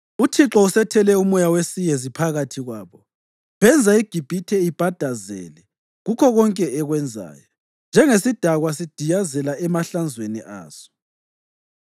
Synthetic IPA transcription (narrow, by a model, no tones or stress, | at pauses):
utʰiǁɔusɛtʰɛlɛumɔjawesijezipʰaɣatʰiɣwaːβɔ | βɛnd͡zʱaiɡ̥ʱib̥ʱitʰɛib̥ʱad̥ʱazɛ̰lɛ | ɣukʰɔɣɔŋkʼɛːɣwɛnd͡zʱa̰ːjɔ | nd͡ʒʱɛŋesid̥ʱaɣwas̬id̥ʱijazɛlaʔɛmaɬand͡zʱwenḭʔa̰ːz̥ɔ̥